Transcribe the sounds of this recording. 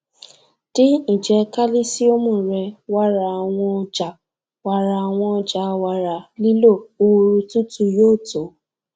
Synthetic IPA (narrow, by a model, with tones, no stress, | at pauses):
ti˦ĩ˨d͡ʒɛ˨˦ka˦li˦si˦o˦mũ˦˨ɾɛ˧wa˦ɾa˧a˨w̃ɔ̃˧ɔ˧d͡ʒa˨ | wa˨ɾa˨a˨w̃ɔ̃˧ɔ˧d͡ʒa˨˦wa˨ɾa˨li˦lo˦˨o˧ɾu˧tu˦tu˦joː˦˨to˨˦